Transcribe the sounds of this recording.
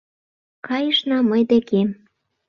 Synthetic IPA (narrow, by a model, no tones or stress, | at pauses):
kɑjəʃnɑməjd̪ekem